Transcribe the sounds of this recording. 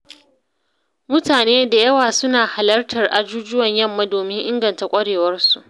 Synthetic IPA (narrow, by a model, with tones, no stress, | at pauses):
mʊ˦taː˨neː˦da˨jɐ˦waː˨sʊ˦naː˨ha˨lɐ˦rtʰɐ˨rʔa˨d͡ʒuː˦d͡ʒʊ˦wɐ˨ɲjɐ˦˨mːa˦doː˨mɪ˦ŋʔɪ˦ŋɡɐ˨nta˨kʷʼɐ˦ɽeː˨wɐ˦rsu˨ʔ